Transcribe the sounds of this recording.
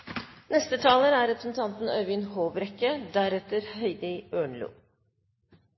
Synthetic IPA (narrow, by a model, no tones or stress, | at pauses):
nɛst̪ət̪ʰɑːləɾæɾɛpɾəsn̩t̪ʰɑnt̪n̩œʋɪnhoːbɾɛkːəd̪æɾɛt̪əɾhœʏd̪ɪøːɳlṵː